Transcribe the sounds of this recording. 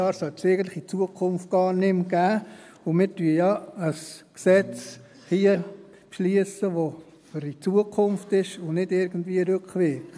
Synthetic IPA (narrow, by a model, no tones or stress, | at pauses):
ɑːɾsœltseɪɡən̩tlɪ̥χit͡suəkʰʊnft̚ɡ̥ɑːɾnɪmɡ̥æː | ʊmɪːɾtyːjɑəsksɛt͡s | hiːə | pʃliəsəʋo | fʏɾit͡suəkʰʊmftɪʃʊnɪdɪɾɡən̩dviəɾøkχʋɪk